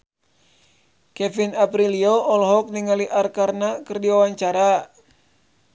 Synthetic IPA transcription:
kɛfinapɾilioɔlɦɔk̚niŋaliʔarkarnakɨrdiwawaɲt͡ʃaɾa

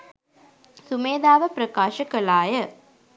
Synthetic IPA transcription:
sumeːd̪aːʋəpɾɐkaːʃɐkɐlaːjə

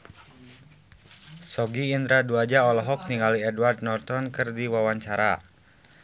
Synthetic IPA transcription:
sɔɡiːnd̪ɾaduad͡ʒaɔlɔɦɔk̚niŋɡaliɛdward̪̚nɔrt̪ɔnkɨrdiwawaɲt͡ʃaɾa

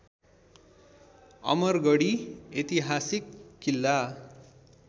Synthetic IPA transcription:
ʌ̰mʌrɡʌɽiet̪iɦasikːilːa

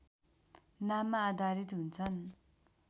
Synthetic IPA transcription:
namad̪aɾit̪unt͡sʰan

